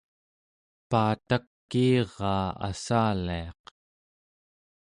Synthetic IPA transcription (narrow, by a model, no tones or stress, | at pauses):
paːt̪akːiːʁɑːa̰saːliɑq